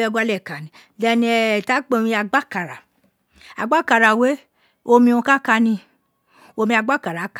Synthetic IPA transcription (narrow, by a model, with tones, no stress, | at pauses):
ɔ˧ɡa˧˦lɛ˦˨ka˨nĩ˨ | dɛ˧nĩ˧ɛ˧˨ta˨˦k͡pẽ˧˦ĩ˧a˧ɡ͡ba˦ka˨ɾa˨ | a̰˨ɡ͡ba˦ka˨ɾa˨we˨˦ | o˧mĩ˧ũ˧ka˦ka˧nĩ˧ | o˧mĩ˧a˧ɡ͡ba˦ka˨ɾa˨˦k